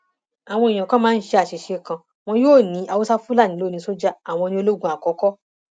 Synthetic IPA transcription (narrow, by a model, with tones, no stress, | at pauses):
a˨w̃ɔ̃˧i˨j̃ã˨kã˦mãː˦n̩˦ʃe˧a˨ʃe˨ʃe˧kã˧ | w̃ɔ̃˧joː˦˨nĩ˨˦ʔa˧wo˦sa˦fu˦la˦˨nĩ˨˦oː˦˨nĩ˧so˦d͡ʒa˦a˨w̃ɔ̃˧nĩ˧o˧lo˦ɡũ˧˦a˨kɔ˨˦kɔ˦